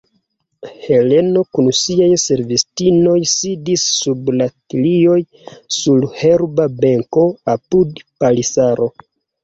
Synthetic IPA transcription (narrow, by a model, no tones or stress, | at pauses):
he̞le̞no̞kunsiajse̞ɾvistino̞jsidisːublatlio̞j | sulhe̞ɾbabeŋko̞apudpalisaɾo̞